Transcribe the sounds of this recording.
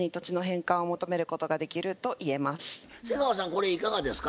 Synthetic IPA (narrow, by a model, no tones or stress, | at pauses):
ɲ̟it̪o̞t͡ɕino̞ɦẽ̞ŋkãɰ̃o̞mo̞t̪o̞me̞ɾɯ̟ko̞t̪o̞ɡad̪e̞kʲiɾɯ̟t̪o̞ʔie̞masɨ̥seɡaβas̬ãŋko̞ɾe̞ikaɡad̪e̞sɨ̥ka